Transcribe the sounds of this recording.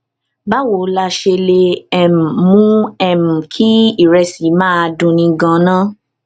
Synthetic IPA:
ba˦wo˨˦la˧ʃe˧le˧ɛ˧mũ˨mũ˦ɛ˧m̩̃˨kʰi˦i˦˨ɾɛ˧si˨˦mãː˦˧dũ˧nĩ˧ɡã˧nãː˦

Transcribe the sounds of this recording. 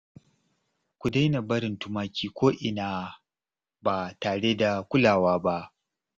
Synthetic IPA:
kʷu˨da˦jna˨bɐ˦ɾɪ˨ntʊ˦maː˦kʲiː˦kʷoː˦ʔɪ˨naː˦ | baː˨taː˨ɽe˦da˨kʷʊ˦laː˨waː˦ba˦ʔ

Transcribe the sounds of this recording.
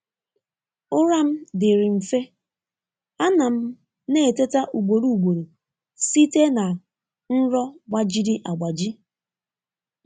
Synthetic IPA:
ʊ˦ɾa˦m̩˦dɪ˨ɾɪ˨m̩˨fe˦ | a˦na˨m̩˦ | ne˦˨te˦ta˦ʔu˨ɡ͡bo˨ɾu˦u˨ɡ͡bo˨ɾu˨ | si˦te˦na˨ | n̩˦ɾɔ˦ɡ͡ba˦d͡ʒi˦dɪ˦ʔa˨ɡ͡ba˨d͡ʒi˦

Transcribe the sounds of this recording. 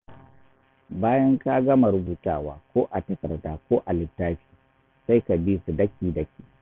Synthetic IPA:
baː˦jɐ˦ŋka˦ɡɐ˦ma˨ɾʊ˦buː˨taː˦˨waː˨kʷoː˦ʔa˨tɐ˨kɐ̰˨rdaː˨kʷoː˦ʔa˨lɪ˨tːaː˦ɸi̥ː˨ | sa˦jka˨biː˦su˨dɐ˦kʲiː˨dɐ˦kʲiː˦˨

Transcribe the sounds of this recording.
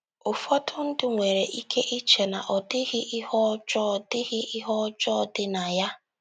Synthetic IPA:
ʊ˨fɔ˦tʰʊ˦n̩˦dɪ˦ŋʷe˨ɾe˨ʔi˦kʰe˦ʔi˦t͡ʃe˨na˨ʔɔ˨dɪ˦ɣɪ˦ʔɪ˦ɦɔ˦d͡ʒɔ˦˨dɪ˦ɣɪ˦ʔɪ˦ɦɔ˦d͡ʒɔ˦dɪ˦na˨ja˦

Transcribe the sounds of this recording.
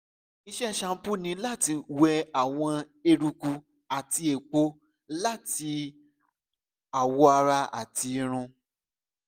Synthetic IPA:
i˧ʃɛ˦˨ʃã˧˦pu˦nĩ˧˦la˦ti˧wɛ˧a˨w̃ɔ̃˧ | e˧ɾu˧ku˧ | a˨ti˧e˨k͡po˧˦ | la˦˨ti˧ | a˨wɔ˨˧a˧ɾa˧a̰˨ti˧ɾ̃ũ˧

